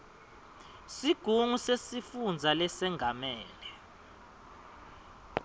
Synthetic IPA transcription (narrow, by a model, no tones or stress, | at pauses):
siɡ̥ʱuŋusesifund͡zʱalɛsɛŋɡʱamɛːlɛ